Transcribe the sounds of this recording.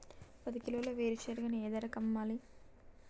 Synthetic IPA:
pɐd̪ikilɐʋɐloːʋeːɾit͡ʃeːɾɡɐnieːd̪ɐɾɐkɐmːaːli

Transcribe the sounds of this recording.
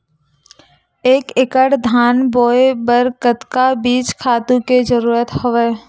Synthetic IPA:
eːkɪkəɽd̪ʱaːnboːebəɾkət̪kabiːt͡ʃkʰaːt̪ũked͡ʒəɾuːɾət̪hʊʋeː

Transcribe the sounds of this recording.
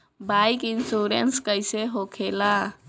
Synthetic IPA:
bajkinsuɾenskəjseɦokʰela

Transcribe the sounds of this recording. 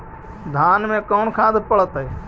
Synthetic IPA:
d̪ʱaːnmẽːkoːnkʰãːd̪ɪpəɭət̪eː

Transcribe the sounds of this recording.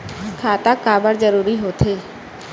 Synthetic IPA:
kʰaːt̪akaːbəɽd͡ʒəɾuːɾiɦoːt̪ʰeː

